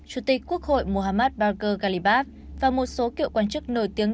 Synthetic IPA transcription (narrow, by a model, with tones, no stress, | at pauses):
t͡ɕu˧˩t̪ï˨˩k̟̚ku˦˥ək̚ho̰˧˨jmo˨˩ɦaː˧maː˦˥t̚ɓaː˧kəː˧ɣa˧li˧˩ɓaː˦˥f̚ | vaː˨˩mo˨˩t̚so˨˦kḭ˧˨əwkwaː˧nt͡ɕɨ˦˥k̚no˧˩jt̪i˨˦əŋ